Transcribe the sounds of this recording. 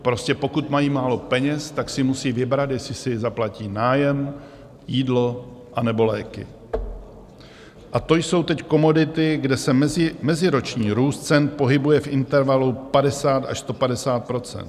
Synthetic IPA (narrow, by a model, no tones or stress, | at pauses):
pɾo̞scɛpo̞kut̪majiːmaːlo̞pɛɲɛst̪aksɪmusiːvɪbɾat̪jɛslɪsɪzaplaciːnaːjɛm | jiːdlo̞ʔanɛbo̞lɛːkɪ̰ | ʔat̪o̞jso̞wt̪ɛcko̞mo̞dɪt̪ɪɡdɛsɛmɛzɪmɛzɪɾo̞t͡ʃɲiːɾuːst̪̚t͡sɛnt̪̚po̞ɦɪbujɛfʔɪnt̪ɛɾvalupadɛsaːt̪a̰ʃst̪o̞padɛsaːt̪̚pɾo̞t͡sɛ̰nt̪